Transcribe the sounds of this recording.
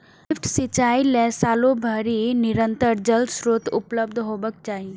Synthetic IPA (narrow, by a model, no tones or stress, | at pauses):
fʈsɪt͡ʃaːilɛ̃saːlobʱəɾinɪɾə̃nt̪əɾd͡ʒəld̪sɾoːt̪ʊpləbd̪ʱɦoːbək̚t͡ʃaːɦi